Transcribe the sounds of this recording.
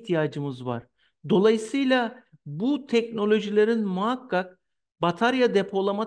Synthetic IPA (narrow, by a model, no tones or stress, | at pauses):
t̪ʰijaːd͡ʒɯmɯzva̰ɾ̥ | d̪o̞lˠajɯsɯjlʲˠa | but̪ʰɛcno̞lʲo̞ʒilʲeɾinmuɦakːak̚ | bat̪ʰaɾjad̪epʰo̞lˠama